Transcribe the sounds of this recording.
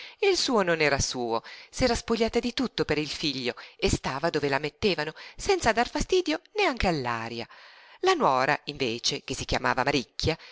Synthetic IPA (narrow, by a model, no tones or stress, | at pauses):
ilsuːononɛːɾasuːosɛːɾaspoʎːaːt̪ad̪it̪ut̪ːopeɾilfiʎːoest̪aːvad̪oːvelamet̪ːeːvanosɛnt̪sad̪arfast̪iːd̪joneaŋk̟ealːa̰ːɾja̰lanwɔːɾaiɱveːt͡ʃek̟esːik̟jama̰ːvamaɾikːa